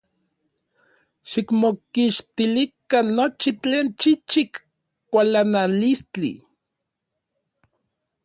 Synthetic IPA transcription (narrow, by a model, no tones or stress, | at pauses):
ʃikmokiʃt̪ilikanːot͡ʃit͡ɬeːnt͡ʃit͡ʃik | kːʷalanalist͡ɬḭ